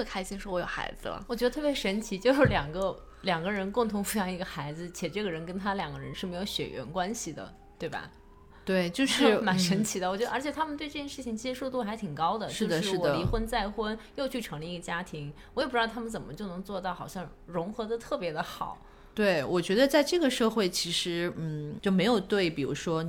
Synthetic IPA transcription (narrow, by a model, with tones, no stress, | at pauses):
tʰkʰa˥ɪɕi˥ŋʂɻɔ˥wɔ˧˥jo̰˨˩ʊxa̰˧˥ɪd͡zɹ̩̰˧lɐ̰˩wɔ˨˩t͡ɕɥ̪ə˧t̪ʰpjɛ˧˥ʂə˧˥nt͡ɕʰi˧˥t͡ɕjo˥˧ʊʂɻ̩˥˩ljɑ˨˩ŋɡə˧ | ljɑ˨˩ŋɡə˦ɻə˧˥nkʊ˥˩ŋt̪ʰʊ˧˥ŋfu˧˩sɑ˧˥ŋi˧˥ɡə˧xa˧˥ɪd͡zɹ̩˧t͡ɕʰjɛ˨˩ʈ͡ʂɤ˥˩ɡə˩ɻə˧˥nkə˥nt̪ʰa˥ljɑ˨˩ŋɡə˦ɻə˧˥nʂɻ̩˥˩me˧˥ɪjo˧ʊɕɥɛ̰˨˩ɥɛ̰˧˥nkwa˥nɕi˨d̪ə̰˩ | t̪we˥˩ɪbɐ̰˩ | t̪we˥˩ɪt͡ɕjo˥˧ʊʂɻ̩˥˩ma˨˩nʂə˧˥nt͡ɕʰi˧˥d̪ə˧wɔ˨˩t͡ɕɥɛ˧˥ə˞˧˥t͡ɕʰjɛ˨˩t̪ʰa˥mə˨nt̪we˥˧ɪʈ͡ʂɤ˥˩t͡ɕjɛ˥˧nʂɻt͡ɕʰi˩ŋt͡ɕʰi˧˥ʂɻ̩˧˥ʂu˥˧t̪u˥˩xa˧˥ɪt̪ʰi˨˩ŋkɑ˥ʊd̪ə˨ʂ̩˥dəʂɻ̩˥˩ɻ̩˥˩wɔ˧əli˧˥xwə˥nt͡sa˥˩ɪxwə˥njo˥˧ʊt͡ɕʰy˥˩ʈ͡ʂʰɤ˧˥ŋlə˧i˧˥ɡə˧t͡ɕja˥t̪ʰi˧˥ŋwɔ˨˩˥jp̩̪˧˥ɑ˥˧˩t̪ʰa˥mə˨nt͡sə˨˩mə˦t͡ɕjo˥˩ʊnɤ˧˥ŋt͡swɔ˥˧t̪ɑ˥˩ʊxɑ˨˩ʊɕjɑ˥˩ŋ | ɻʊ˧˥ŋxɤ˧˥d̪ə˧t̪ʰɤ˥˩pjɛ˧˥d̪ə˧xɑ̰˨˩˦ʊ | t̪we˥˩ɪwʔɔ˨˩t͡ɕɥɛ˧˥d̪ə˧t͡sa˥˧ɪʈ͡ʂɤ˥˩ɡə˩ʂɤ˥˧xwe˥˩ɪt͡ɕʰi˧˥ʂɻ̩˧˥n̩˥˩t͡ɕjo˥˩ʊme˧˥ɪjo˨˩ʊt̪we˥˩ɪpi˨˩ɻṵ˧˥ʂwɔ˥